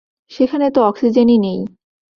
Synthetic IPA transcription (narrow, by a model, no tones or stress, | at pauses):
ʃekʰanet̪oɔksid͡ʑeninej